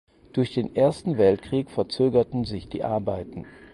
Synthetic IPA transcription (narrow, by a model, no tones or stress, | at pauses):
d̥ʊɐçd̥eːnʔeːɐstn̩vɛltkʁ̥iːkfɛɐt͡søːɡɐtn̩zɪçd̥ḭːʔaɐbaɪtn̩